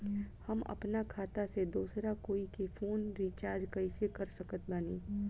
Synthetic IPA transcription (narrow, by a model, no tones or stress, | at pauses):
hɐmɐ̰pnakʰaːt̪ased̪uːsɾakoːikefʰoːnɾiːt͡ʃaːɾd͡ʒkɐɪsekɐɾsɐkət̪baːniː